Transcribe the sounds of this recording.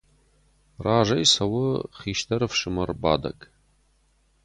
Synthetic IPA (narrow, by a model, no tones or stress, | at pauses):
raːʒɐjsɐwʊχiːʃtʰɐɾɨfʂɨmɐrba̰ːdɐ̰kʼ